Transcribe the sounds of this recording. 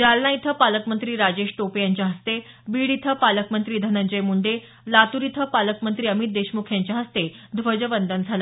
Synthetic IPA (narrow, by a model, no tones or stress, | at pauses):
d͡ʑalnait̪ʰəpaləkmənt̪ɾiːɾad͡ʑeɕʈopejaɲt͡ɕjaɦəst̪e | biɽit̪ʰəpaləkmənt̪ɾiːd̪ʱənəɲd͡ʑəjmuɳɖe | lat̪uɾit̪ʰəpaləkmənt̪ɾiːəmit̪̚d̪eɕmukʰjaɲt͡ɕjaɦəst̪ed̪ʱʋəd͡ʑəʋənd̪ənd͡zʱala